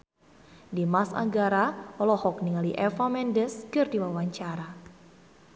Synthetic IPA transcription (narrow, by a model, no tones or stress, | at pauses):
dimasa̰ŋɡaɾaɔlɔhɔk̚niŋaliʔɛfamɛndəskɨrdiwawaɲt͡ʃaɾa